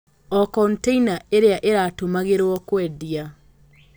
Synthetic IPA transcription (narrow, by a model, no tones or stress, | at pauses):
ɔkɔnteinaeɾeaʔeɾatomaɣeɾwɔkwɛðia